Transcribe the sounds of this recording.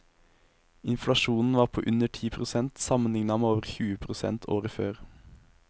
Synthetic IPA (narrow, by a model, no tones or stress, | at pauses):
ɪnflɑʃuːnn̩ʋɑːʁpʰo̰ːʔʉnəʈʰiːpʰʁʊsɛnt̪sɑmənlɪŋnɑmeːoːʋəʁçʉːəpʰʁʊsɛ̰nt̪ʰo̰ːʁəføːʁ